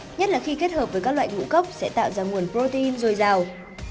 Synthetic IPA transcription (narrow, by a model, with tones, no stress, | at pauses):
ɲə˦˥t̚laː˨˩xi˧ke˦˥t̚həː˨˩p̚vəː˨˦jkaː˦˥k̚la̰ː˧˨jŋṵ˧˥˨kə˦˥wk͡p̚sɛ̰˧˥t̪a̰ː˧˨wzaː˧ŋu˨˩ənpɾo˧t̪e˧i˧nzo˨˩jzaː˨˩w